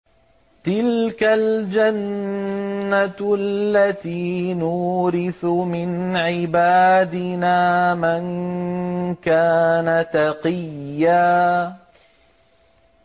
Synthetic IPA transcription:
t̪ɪlkald͡ʒanː | aallːat̪iːnuːɾɪθʊmɪnʕɪbaːd̪ɪnaːman | kaːnat̪ɑqɨjːaː

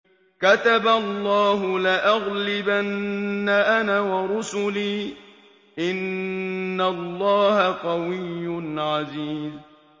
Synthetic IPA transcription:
kat̪abalˤːɑːɦʊlɪʔaɣlɪbanːaʔanaːwɑɾʊsʊliː | ʔɪnː | alˤːɑːhaqɑwɪjːʊnʕaziːz

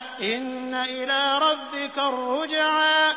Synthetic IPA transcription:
ʔɪnːaʔɪlaːɾˤɑbːɪkarːʊd͡ʒaʕaː

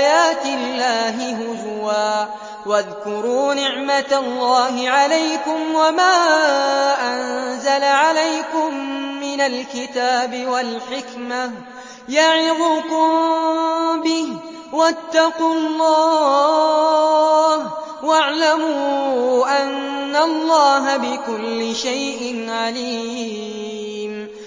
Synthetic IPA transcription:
jaːt̪ɪlːaːɦɪɦʊd͡ʒwaː | waðkʊɾuːnɪʕmat̪alˤːaːɦɪʕalajkʊmwamaː | ʔanzalaʕalajkʊmːɪnalkɪt̪aːbɪwalħɪkma | jaʕɪðʊkʊm | bɪh | wat̪ːɑqulˤːɑː | h | waʕlamuːʔanːalˤːɑːɦabɪkʊlːɪʃajʔɪnʕaliː | m

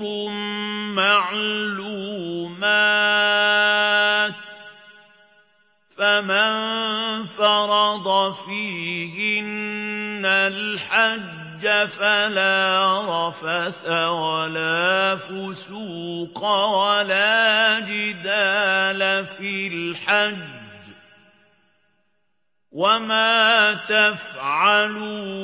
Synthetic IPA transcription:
ʊmːaʕluːma | t̪ | famanfɑɾˤɑd̪ˤɑfiːhɪnː | alħad͡ʒːafalaːɾˤɑfaθawalaːfʊs | uːqɑwalaːd͡ʒɪd̪aːlafilħad͡ʒ | wamaːt̪afʕalu

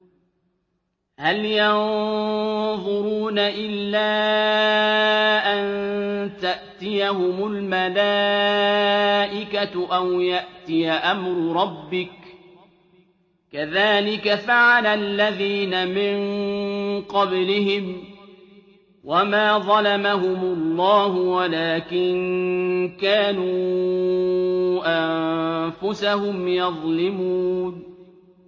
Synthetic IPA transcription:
haljɑn | ðˤʊɾuːnaʔɪlːaː | ʔant̪aʔt̪ɪjaɦʊmʊlmalaː | ʔɪkaʔawjaʔt̪ɪjaʔamɾʊɾˤɑbːɪk | kaðaːlɪkafaʕalalːaðiːnamɪn | qɑblɪhɪm | wamaːðˤɑlamaɦʊmʊlːɑːɦʊwalaːkɪn | kaːnuː | ʔamfʊsahʊmjɑðˤlɪmuːn

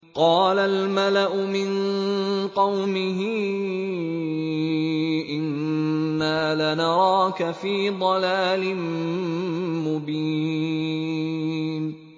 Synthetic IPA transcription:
qɑːlalmalaʔʊmɪn | qɑwmɪɦɪ | ʔɪnː | aːlanɑɾˤɑːkafiːd̪ˤɑlaːlɪn | mʊbiː | n

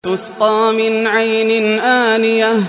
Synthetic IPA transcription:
ʊst̪ˤɑːmɪnʕajnɪnʔaːnɪja

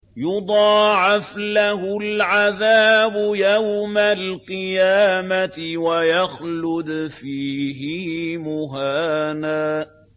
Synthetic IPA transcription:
jʊd̪ˤɑːʕɪflaɦʊlʕaðaːbʊjawmalqɨjaːmaɪwajaxlʊd̪fiːɦɪmʊɦaːnaː

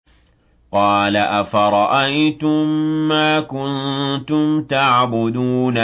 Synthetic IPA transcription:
qɑːlaʔafaɾˤɑʔajt̪ʊmːaːkʊnt̪ʊmt̪aʕbʊd̪uːna

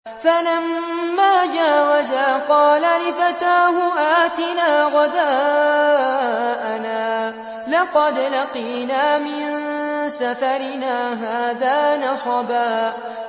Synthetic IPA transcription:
falamː | aːd͡ʒaːwazaːqɑːlalɪfat̪aːɦʊʔaːt̪ɪnaːɣɑd̪aː | ʔanaː | lɑqɑd̪laqiːnaːmɪnsafaɾɪnaːɦaːðaːnɑsˤɑbaː

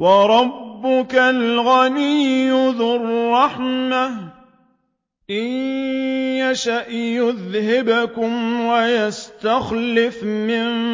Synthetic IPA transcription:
wɑɾˤɑbːʊkalɣaniːʊðʊrˤːɑħma | ʔɪj | jaʃaʔjʊðhɪbakʊmwajast̪axlɪfmɪn

